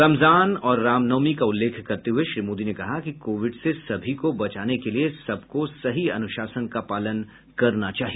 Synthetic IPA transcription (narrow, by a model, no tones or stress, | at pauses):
ɾɐmzaːnɔːɾːaːmnɐːmikaʊlːeːkʰkɐɾt̪eɦʊueʃɾiːmoːd̪inekɐɦakikoːʋɪɖsesɐbʱikobɐt͡ʃaːnekeliesɐbkosɐɦiɐ̰nʊʃaːsənkapaːlən | kɐɾnat͡ʃaːɦie